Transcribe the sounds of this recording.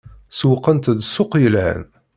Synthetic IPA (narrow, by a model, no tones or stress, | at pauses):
swəqːənt̪ðsʊqjəlʕə̰n